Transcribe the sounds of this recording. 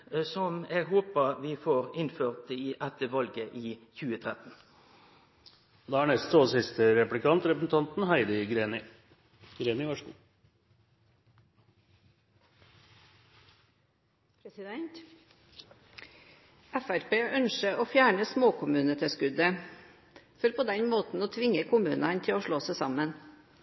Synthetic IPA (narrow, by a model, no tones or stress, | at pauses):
sɔmɛɡɦoːpəʋiːfoːʁɪnføːʁt̪iːʔæt̪əʋɑlɡəʔiːçʉːət̪ʰʁɛt̪n̩ | d̪ɑæɳɛst̪oːsɪst̪əɾɛplɪkʰɑnt̪ɾɛpəsn̩t̪ʰɑnt̪n̩hæɪd̪əɡɾenɪ | ɡɾeːnɪʋɑʂkː | pʰɾɛsɪd̪ɛnt̪ | æfæɾpeːʔœnʃəoːfjæːɳəsmoːkʰʊmʉːnət̪ʰɛskʉd̪ə | fɔɾpʰoːd̪ɛnmoːt̪n̩oːt̪ʰʋɪŋəkʰʊmʉːnɑnt̪ʰɪoːʂɭoːsæsɑmən